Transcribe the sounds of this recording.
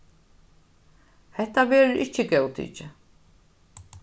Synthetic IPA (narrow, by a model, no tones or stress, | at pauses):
hɛht̪avɛːɾʏɾʔɪcːɪcɛwt̪ʰḭːt͡ʃɪ